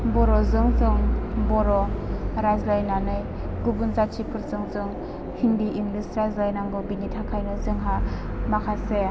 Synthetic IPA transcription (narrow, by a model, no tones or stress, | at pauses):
bɔɾɔzɯŋzɯŋbɔɾɔɾazlajnanɯj | ɡubunzat͡ʃʰipʰɯɾzɯŋzɯŋ | hindiʔiŋɡlisɾajzlajnaŋɡɔbinitʰakʰajnɯzɯŋɦa | makʰase